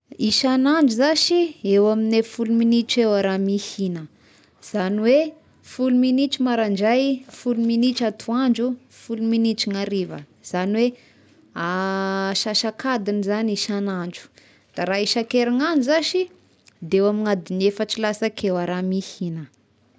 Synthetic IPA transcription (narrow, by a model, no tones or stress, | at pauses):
iʃanaɳd͡ʒuzaʃiewaminefuluminiʈ͡ʂewaɾamihinə | z̥aniwe | fuluminit͡ʃumaɾaɳd͡ʒajfuluminiʈ͡ʂat̪ʰuand͡ʒu | fuluminit͡ʃiŋaɾivə̰ | z̥aniwe | aʃaʃakad̪inizaniʃanaɳd͡ʒu̥ | d̪̥aɾaiʃakeɾaŋanzaʃi | d̪eewamiŋad̪inefaʈ͡ʂilasakʰewaɾamihinə